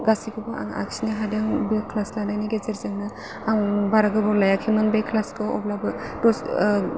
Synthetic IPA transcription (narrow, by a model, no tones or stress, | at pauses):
ɡasiɡubaʔa̰ŋa̰ksiniɦadaŋbekʰlaslanajniɡezeɾzaŋna | aŋbaɾaɡɯbɔlajakʰimɯnbekʰlaskɯɔblabɯtɔs